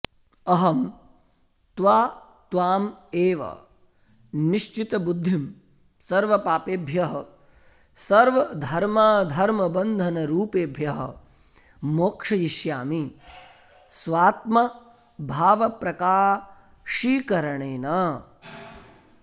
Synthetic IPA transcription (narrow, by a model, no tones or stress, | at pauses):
ɐɦɐm | t̪ʋaː | t̪ʋaːmeːʋɐ̰ | niʃt͡ʃit̪ɐbud̪ʱːim | sɐɾʋɐpaːpeːbʱjɐɦɐ | sɐɾʋɐd̪ʱɐɾmaːd̪ʱɐɾmɐbɐnd̪ʱɐnɐɾuːpeːbʱjɐɦɐ̆ | moːkʂɐjiʃjaːmi | sʋaːt̪mɐ | bʱaːʋɐpɾɐkaː | ʃiːkɐɾɐɳeːnɐ